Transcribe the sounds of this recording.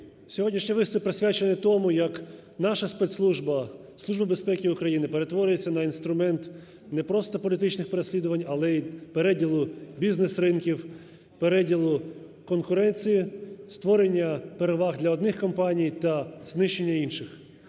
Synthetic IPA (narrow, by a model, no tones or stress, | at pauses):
sʲɔɦɔdʲnʲiʃɲʲiʋɪst̪ʊppːɾesʲʋʲat͡ʃenɛt̪ɔmʊjɐk | nɑʃɐspɛt̪slˠuʒbɐ | slˠuʒbɐbe̞spɛkʲɪʊkɾɐjinɪpe̞ɾe̞t̪ʋɔɾʲʊjet͡sʲːɐnɐinst̪ɾʊmɛnt̪ | nɛpɾɔst̪ɔpɔlʲit̪ɪt͡ʃnɪxpeɾesʲlʲid̪ʊʋɐnʲɐlˠɛipeɾɛdʲilˠʊbʲiznesɾɪnkʲiw | peɾɛdʲilˠʊ | kɔnkʊɾɛnʲt͡sʲijist̪ʋɔɾenʲːɐpeɾeʋɑɣd̪lʲɐɔd̪nɪxkɔmpɑnʲijt̪ɐznɪʃt͡ʃːenʲːɐinʃɪx